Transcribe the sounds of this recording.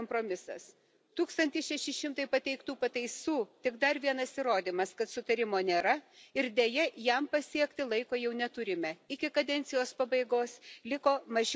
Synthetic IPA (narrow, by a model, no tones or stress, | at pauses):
ompɾoːmʲɪsɐ̰s | t̪uːkst̪ɐnʲt̪ʲɪʃʲɛʃʲɪʃʲɪmt̪ɐɪpɐt̪ʲɛɪkt̪uːpɐt̪ɐɪsuːt̪ʲɪɡd̪ɐɾʋʲiɛnɐsɪɾoːd̪ʲiːmɐskɐt̪sʊt̪ɐɾʲɪmoːnʲeːɾɐɪɾd̪ʲeːjɛjɛmpɐsʲiɛkt̪ʲɪlˠɐɪkoːjɛʊnʲɛt̪ʊɾʲɪmʲɛɪkʲɪkɐd̪ʲɛnʲt̪sʲɪjoːspɐbɐɪɡoːslʲɪkoːmɐʒʲ